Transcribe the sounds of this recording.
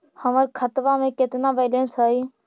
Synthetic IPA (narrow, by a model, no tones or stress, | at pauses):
həməɾkʰət̪ʋamẽkɪt̪naʋeːlə̃nsəi